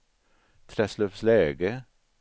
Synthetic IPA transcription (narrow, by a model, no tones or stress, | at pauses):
t̪ʰɾɛslœfsleːɡə